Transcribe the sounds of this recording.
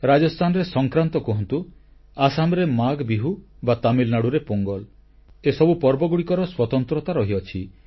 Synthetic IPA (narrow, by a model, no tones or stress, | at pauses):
ɾad͡ʒɔst̪ʰanɔɾesɔŋkɾant̪ɔkɔɦɔnt̪u | asamɾemaɡbiɦu | bat̪amilnaɽuɾepoŋɡɔl | esɔbupɔɾbɔɡuɽikɔɾɔswɔt̪ɔnt̪ɾɔt̪aɾɔɦiɔt͡ʃʰi